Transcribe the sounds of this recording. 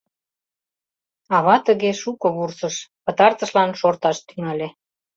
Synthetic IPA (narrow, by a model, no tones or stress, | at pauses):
ɑβɑt̪əɣeʃukɤ̆βursəʃpə̆t̪ɑrt̪ə̆ʃlɑnʃort̪ɑʃt̪yŋɑlʲe